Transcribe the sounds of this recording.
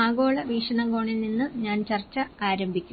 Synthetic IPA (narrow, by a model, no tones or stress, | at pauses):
aːɡo̞ːɭɐʋiːʂɐɳɐŋɡo̞ːɳilninːɨɲaːnt͡ɕɐrt͡ɕːɐaːɾɐmbʱikʲːu